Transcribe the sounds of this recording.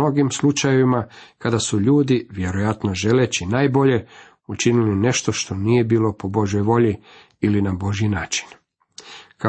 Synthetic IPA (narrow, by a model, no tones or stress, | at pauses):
o̞ɡimslˠut͡ʃajeʋimakad̪asuʎuːd̪iʋje̞ɾo̞jat̪no̞ʒe̞le̞t͡ɕinaːjbo̞ʎe̞ | ut͡ʃiniline̞ʃt̪o̞ʃt̪o̞nije̞biːlo̞po̞bo̞ʒjo̞jʋo̞ʎi | ilinabo̞ʒjinaːt͡ʃi̥n | ka